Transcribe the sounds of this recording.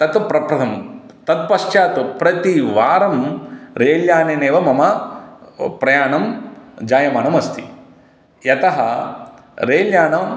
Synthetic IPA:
t̪ɐt̪pɾɐpɾɐt̪ʰɐm | t̪ɐt̪̚pɐʂt͡ʃaːt̪upɾɐt̪iʋaːɾɐmɾeːljaːneːneːʋɐmɐmɐ | pɾɐjaːnɐmd͡ʒaːjɐmaːɳɐmɐst̪ʰi | jɐt̪ɐɦɐ | ɾeːljaːnɐm

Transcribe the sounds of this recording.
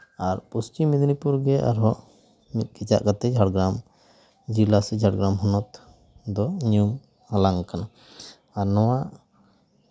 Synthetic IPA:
aɾpust͡ʃimid̪ʱnipuɾɡɛʔa̰ɾɦɔʔ | mit̪̚kit͡ʃa̰ʔkat̪ɛd͡ʒʱaɽɡɾam | d͡ʒilasɛd͡ʒʱaɽɡɾamɦɔnɔt̪ | d̪ɔɲjum | halaŋkana | aɾnɔwaʔ

